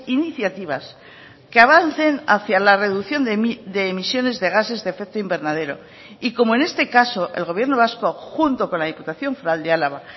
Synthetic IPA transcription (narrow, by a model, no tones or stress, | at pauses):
iniθjat̪iβa̰s | keaβ̞an̟θe̞naθjalare̞ðuθjo̞nd̪e̞ːmisjo̞ne̞zðe̞ɣ̞ase̞zðefek̚t̪oimbe̞ɾnaðe̞ɾo̞̰ | iko̞mo̞e̞ne̞st̪e̞kaso̞ʔe̞̰lɣo̞βje̞ɾno̞β̞asko̞xunt̪o̞ko̞nlað̞iput̪aθjo̞ɱfɾald̪ealaβa